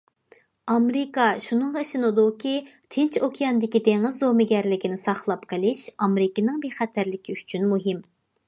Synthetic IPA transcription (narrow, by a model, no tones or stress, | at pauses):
ɑmɾɪkɑʃunɨŋʁɑʃɪnɨd̪ukʲi | t̪ʰɪnt͡ʃʰokʲʰijɑnd̪ɪkʲid̪eŋɨzːomɪɡʲɛɾlɪkʲinɪsɑχlˠɑpqʰəlˠɪʃɑmɾɪkʲinɨŋbeχɛt̪ʰæɾlɪkʲiyt͡ʃʰynmuɦɪm